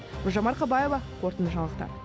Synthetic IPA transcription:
ʊʒɑmɑɾqʰɑbɑje̞vɑqʰo̞ɾt̪ənəʒɑɴlˠəqt̪ɑ̰ɾ

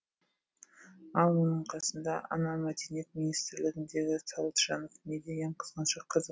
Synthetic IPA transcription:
ɑlˠwonəɴqʰɑsənd̪ɑʔɑ̰nɑmæd̪enijet̪mʲinijst̪ɾlɪɡʲɪnd̪e̞ɡʲɪsʰɑlˠt̪ʒɑnofmed̪ejeɴqʰə̥zqɑnʃɑqʰːɑz

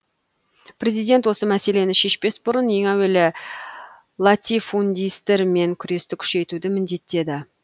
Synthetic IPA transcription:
pɾe̞zijd̪e̞nt̪wo̞səmæse̞le̞nɪʃe̞ʃpe̞sbʊɾənje̞ŋæwe̞lɪ | lˠat̪ʲifund̪ʲijst̪eɾme̞ŋkʲʰʏɾe̞st̪ɪkʲʰʏ̥ʃe̞t̪ud̪ɪmɪnd̪e̞t̪ːe̞d̪ɪ

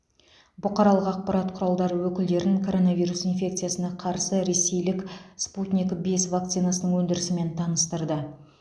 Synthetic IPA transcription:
bʊqɑɾɑlˠəqɑq̚pɑɾɑt̪qʰʊɾɑlˠd̪ɑɾəwɵkʲɪld̪e̞ɾɪŋkʰo̞ɾo̞navijɾusinfʲe̞k̚t̪sɨjasənɑqʰɑɾsəɾe̞se̞jlɪksput̪nʲikbe̞svak̚t̪sijnasənəɴwɵnd̪ɪɾɪsɪme̞nt̪ʰɑnəst̪əɾd̪ə

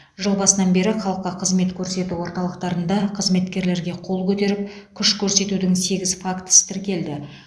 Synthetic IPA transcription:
ʒəlˠbɑsənɑnbe̞ɾɪχɑlˠəqːɑqʰəzme̞t̪kʲʰɵɾse̞t̪uwo̞ɾt̪ɑlˠəqt̪ɑɾənd̪ɑqʰəzme̞t̪kʲe̞ɾle̞ɾɡʲe̞qʰo̞lˠkʲʰɵt̪e̞ɾɪp̚kʲʰʏʃkʲʰɵɾse̞t̪ud̪ɪŋse̞ɡʲɪzfakt̪ə̥st̪ʰɪɾkʲe̞ld̪ɪ

